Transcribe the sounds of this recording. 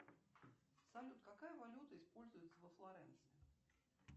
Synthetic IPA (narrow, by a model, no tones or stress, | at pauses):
sɐlʲut̪kakajəvɐlʲut̪əɪspolʲzʊjɪt̪səvəflˠaɾɛnt̪sɪ